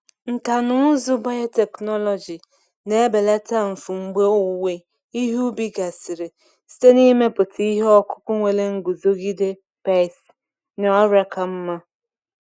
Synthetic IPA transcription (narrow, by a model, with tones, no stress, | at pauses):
ŋ̩˨ka˨nʊ˦ʊ˦zu˦ba˦ja˦te˨knɔ˦lɔ˨d͡ʒi˨ | ne˨e˦be˨la˦ta˦˨ɱ̩˨fu˨ŋ͡m̩˨ɡ͡be˦o˦we˦ | i˦ɦu˦bi˦ɡa˨si˨ɾe˨ | si̥˦te˦ni˦me˦pʊ˨tʰi˦ɦɔ˦kʊ̥˦kʊ˦ŋʷe˨le˦ŋ̩˦ɡu˨zo˦ɡi˦de˦ | pa˦˨s | n˨ɔ˦ɾa˦ka˨m̩˦ma˦